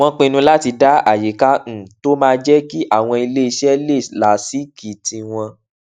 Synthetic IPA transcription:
w̃ɔ̃˧k͡pĩ˧nũ˧la˦ti˧da˦a̰˦˨je˨˦kã˦˨to˦mãː˦˧d͡ʒɛ˦ki˦ʔa˦˨w̃ɔ̃˧i˧le˦i˧ʃɛ˦le˦˨la˨si˨˦ki˨tĩ˧w̃ɔ̃˧

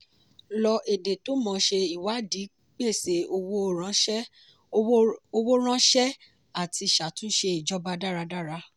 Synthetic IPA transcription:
lɔ˧ʔe˨de˨to˨˦mɔ̃˧ʃe˧i˨wa˨˦di˨˦ | k͡pe˦˨se˨o˧wo˦˨ɾ̃ã˦ʃɛ˦ | o˧wo˦ɾ̃ã˦ʃɛ˦ | a˦˨ti˧˨ʃa˨tũ˦ʃe˧i˨d͡ʒɔ˦ba˧da˦˨ɾa˧da˦˨ɾa˧

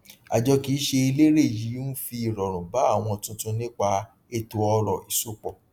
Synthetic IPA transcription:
a̰˨d͡ʒɔ˧ki˨˦ʃe˧i˧le˦ɾe˦˨ji˨˦nu˦fi˧i˨ɾɔ˨ɾ̃ũ˨ba˨˦a˦˨w̃ɔ̃˧tũ˧tũ˧nĩ˦k͡pa˧ | e˧˨to˧ɔ˧ɾɔ˨i˨so˦k͡pɔ˨

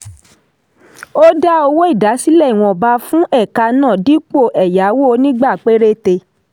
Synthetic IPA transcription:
o˦da˦o˧wo˦i˦˨da˨˦si˦lɛ˦˨i˨w̃ɔ̃˨ba˧˦fũ˦ɛ˦˨ka˧nãː˦˨di˦k͡po˦˨ʔɛ˨ja˨˦wo˦˧˦nĩ˦ɡ͡ba˦˨k͡pe˦ɾe˦te˧

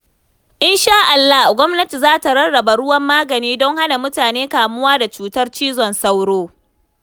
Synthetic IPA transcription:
ʔɪ˦nʃaː˦ʔa˨lːa˦hɡʷɔ˦mnɐ˦ti˨zaː˦ta˨ɾɐ˦ɽɽɐ˨ba˨ɽʊ˦wɐ˦mːaː˦ɡɐ˨niː˦dɔ˦ŋha˦na˨mʊ˦taː˨neː˦kaː˨mʊ˦waː˦da˨t͡ʃuː˦tɐ˦rt͡ʃiː˦zɔ˨nsa˦wɽoː˦

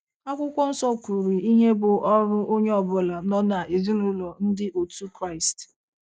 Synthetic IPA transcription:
a˦kʷʊ˦kʷɔ˦n̩˦sɔ˦kʷu˨ɾi˨i˦ɦe˦bʊ˨ʔɔ˦ɾʊ˦ʔo˦ɲe˦ɔ˨bʊ˦la˨nɔ˦na˨ʔe˨zi˦nʊ˦lɔ˨n̩˦dɪ˦ʔo˨tu˦kɾa˦˨ɪ˨st

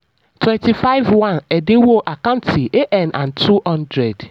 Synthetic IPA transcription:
tʰwɛ̃˨nti˨fa˦ɪ˦vwã˦˨nɛ˨de˦wo˦ʔa˨kã˦ntʰi˨ʔe˦ʔɛ̃˨nʔã˨ntʰu˦hɔ̃˦ndɾɛ˨d

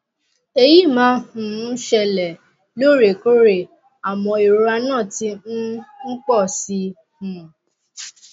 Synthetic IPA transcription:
e˧ji˦˨mãː˦hũ˨˦ʃɛ˧lɛ˨ | lo˦˨ɾe˨ko˦ɾe˨ | a˨mɔ̃˧i˨ɾɾa˧nãː˦˨ti˧n̩˦n̩˦k͡pɔ˦˨si˧ | hũ˨

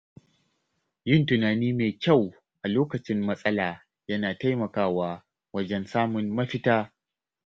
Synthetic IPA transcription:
jɪ˦˨ntʊ˨naː˨niː˦meː˨kʲa˦˨w | ʔa˨loː˦kɐ˨t͡ʃɪ˦mːɐ˦sʼɐ˦laː˨ | jɐ˦naː˨ta˦jmɐ˨kaː˦waː˦ | wɐ˦d͡ʒɛ˦nsaː˦mʊ˨nːɐ˦ɸɪ˦taː˦

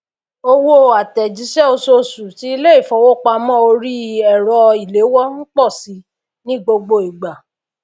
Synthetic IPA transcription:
o˧wo˦a˨tɛ˨d͡ʒi˨˦ʃɛ˦o˧so˧su˨ti˨˦i˧le˦i˦˨fɔ˨wo˦˨k͡pa˧mɔ̃˦o˧ɾi˦ɛ˨ɾɔ˧i˨le˨˦wɔ˦n̩˦k͡pɔ˦˨si˨˧˦ | nĩ˦˨ɡ͡bo˧ɡ͡bo˧i˨ɡ͡ba˨

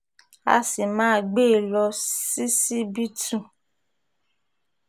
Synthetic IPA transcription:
a̰˧si˨mãː˦˨ɡ͡be˦˨lɔ˧si˦si˦bi˦tũ˦˨

